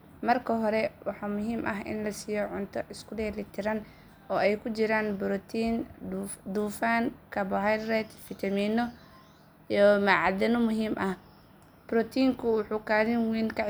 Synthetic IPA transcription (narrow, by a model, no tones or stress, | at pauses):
mɐrkʰɐɦɔɾɛwɑħɑːmʊɦiːmʔɐɦɪ̰nlɐsiːjɔʕʊnt̪ʰɔʔɪskʰʊdɛːlit̪ʰɪɾɐn | ɔːɛjkʰʊt͡ʃɪɾaːnbɾɔt̪ʰiːnud̪uːfaːnkʰɐbɔɦajrɛt̪fit̪ʰɐmiːnɔ | ijɔmɐʕɑd̪ɐnɔmʊɦiːmʔɐh | b̥ɾɔt̪ʰiːŋkʰʊwʊħuːkaːðɪnwiːnkɐʕɪ